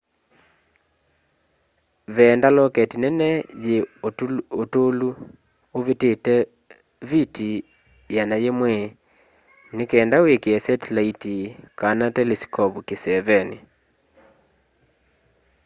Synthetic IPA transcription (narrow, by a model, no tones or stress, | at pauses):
βɛːndalɔkɛtinɛnɛje | otolu | oβetetɛ | vitʰi | janajemwɛ | nekɛːndawekeɛsɛtlaitikanatɛlisi̥kɔpukesɛvɛni